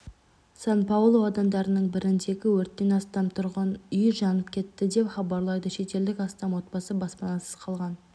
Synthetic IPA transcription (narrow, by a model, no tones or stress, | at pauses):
sɑnpɑwlˠo̞ɑd̪ɑmd̪ɑɾənəɴbɪɾɪnt̪e̞ɡʲɪwɵɾt̪ːe̞nɑst̪ɑmt̪ʰʊɾʁɑnʏjʒɑnəpkʲʰe̞t̪ːɪd̪e̞pχɑbɑɾlˠɑjd̪əʃe̞t̪e̞ld̪ɪkɑst̪ɑmwo̞t̪bɑsəbɑspɑnɑsəz̥qʰɑlˠʁɑn